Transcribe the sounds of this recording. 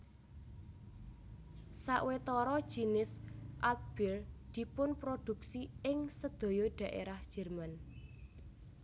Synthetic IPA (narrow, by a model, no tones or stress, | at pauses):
saʔwet̪ɔɾɔd̥ʒ̥inɪsʔat̪̚b̥ɪld̪̥i̤pʊnpɾod̪̥ṳksiɪŋsəd̪̥o̤jɔɖ̪̥a̤ʔḛɾahd̥ʒ̥ɛ̤rman